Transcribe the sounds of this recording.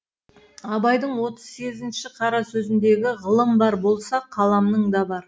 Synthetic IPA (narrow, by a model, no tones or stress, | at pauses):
ɑbɑjd̪əɴwo̞t̪əz̥se̞ɡʲɪzɪnʃɪqʰɑɾɑsɵzɪnd̪e̞ɡʲɪʁəlˠəmbɑɾbo̞lˠsɑqʰɑlˠɑmnəɴd̪ɑbɑɾ